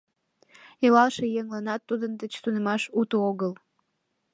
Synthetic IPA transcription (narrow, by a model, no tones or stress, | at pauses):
elɑlʃejeŋlɑnɑt̪ːud̪ənd̪ət͡ɕt̪unemɑʃut̪ooɣəl